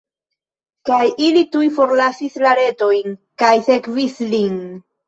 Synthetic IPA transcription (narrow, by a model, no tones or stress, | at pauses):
kajilitujfo̞ɾlasislaɾe̞to̞jnkajse̞kvislin